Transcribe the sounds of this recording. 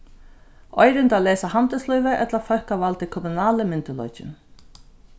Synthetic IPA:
ɔjɾɪnt̪aːlɛːsahamt̪əslɔjvəʔɛ̰t̪lafœhkavalt̪ɪkʰɔmunaːləmɪnt̪ɪlɔ̰jt͡ʃɪ̰n

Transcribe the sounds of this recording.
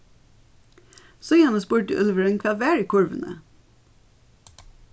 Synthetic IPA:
sɔjæːnəspuːʈə̰ʔœlʋəɹœʏnkʰʋɑːʋæːɹiːkʰʊɹʋə̰nə̰

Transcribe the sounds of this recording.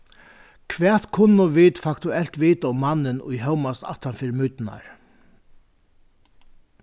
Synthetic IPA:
kʰʋɛːt̪kʰʊnːʊʋɪːt̪fakt̪ʊɛl̥t̪ʋiːt̪aʊmːanːɪnʊ̰jɦɛwmast̪a̰ht̪anfɪɾmʊjt̪ɪna̰ɹ

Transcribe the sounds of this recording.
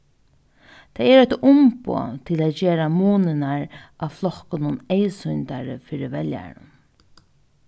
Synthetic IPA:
t̪ʰaɪɛɾɛt̪ʊmpo̰ːt̪ʰɪlaːt̪d͡ʒeːɾamuːnɪnaɹʔaʋflɔkʊnʊneɪsʊjnt̪aɹə̰fiːɾɪʋɛlja̰ɹʊ̰n

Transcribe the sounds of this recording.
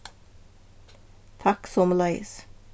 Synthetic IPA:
t̪ʰɑksɔmlɑɪs

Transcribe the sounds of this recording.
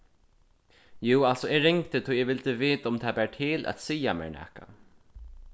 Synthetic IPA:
juːalsɔɛːɹɪŋkt̪ɪt̪ʰɔjɛʋɪlt̪əveːt̪aʊmt̪ʰaːbɛːɹʈʰɪːlʔæ̰t̪sijamɛ̰ːɹɳɛ̰ːhka̰

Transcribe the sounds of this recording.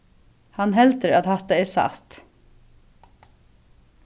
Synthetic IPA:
hanɦɛlt̪əɾaðhaht̪aɛɾsa̰ht̪

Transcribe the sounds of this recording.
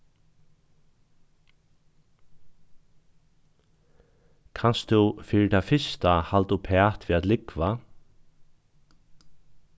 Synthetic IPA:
kʰanst̪ʰufiːɾɪt̪ʰafɪst̪ahalt̪upʰɛːt̪ʋiːat̪lɪkʋa

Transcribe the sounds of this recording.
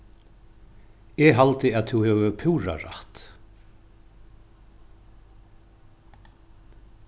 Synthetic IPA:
ɛɣɦalt̪ɪaðθʰuwhɛvʏpʰuwɾa̰ɾa̰ht̪

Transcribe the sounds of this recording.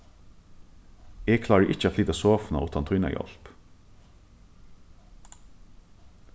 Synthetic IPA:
eːɡkʰlɑːɹəʔɪc͡çəɑfliːt̪əsoːfnɑ̰ʔuːt̪ɑnt̪ʰʏnɑ̰jɔ̰lp

